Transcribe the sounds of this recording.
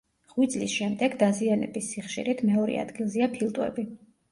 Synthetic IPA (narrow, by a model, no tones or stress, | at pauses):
ʁwit̪sʼlisʃɛmd̪ɛɡd̪azianɛ̰bisːiχʃḭɾit̪ʰmɛɔɾɛ̰a̰d̪ɡilˠziapʰilˠt̪ʼwɛ̰bi